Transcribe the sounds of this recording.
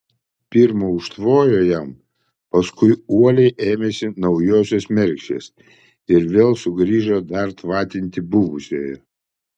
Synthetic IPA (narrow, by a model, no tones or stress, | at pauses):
pʲiɾmoːʊʃt̪ʋoːjoːjɛm | pɐskʊɪuɔlʲɛɪʔeːmʲesʲɪnɐʊjoːsʲosmʲɛɾʲkʃʲḛːs | ɪɾʋʲeːlˠsʊɡɾʲiːʒod̪ɐɾt̪ʋɑːt̪ʲɪnʲt̪ʲɪbʊʋʊsʲḛːjɛ